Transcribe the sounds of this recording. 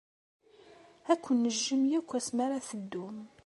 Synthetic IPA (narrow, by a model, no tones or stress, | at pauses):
ækʷːənːəʒːəmjækʷːæsmaɾaθəd̪ːum